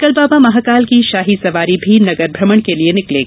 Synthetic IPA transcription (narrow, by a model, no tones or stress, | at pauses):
kɐlbaːbamɐɦaːkaːlkiʃaːɦisɐʋaːɾibʱinɐɡəɾbʱɾɐməɽ̃kelienɪkleːɡaː